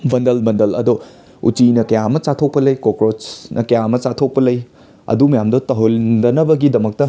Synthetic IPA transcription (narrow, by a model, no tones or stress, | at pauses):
bɐndɐlbɐndɐlɐ̰do | ṵt͡ʃinɐkɐjamɐt͡ʃatʰok̚pɐlɐjkokɾot͡ʃnʔɐkɐjamɐt͡ʃatʰok̚pɐlɐj | ɐ̰dumɐjamdɐtɐɦoldɐnɐbɐɡidɐmɐk̚tɐ